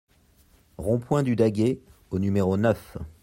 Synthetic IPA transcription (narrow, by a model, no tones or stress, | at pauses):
ʁɔ̃pwɛ̃d̪yd̪aɡʲeonymeʁonœf